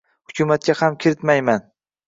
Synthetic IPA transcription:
hʊkʰʲʊmat̪̚kʲahamkʲʰɪɾɪt̪majman

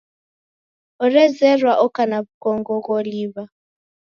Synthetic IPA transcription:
ɔɾɛzɛrwaʔɔkanaβukɔŋɡɔɣɔliβa

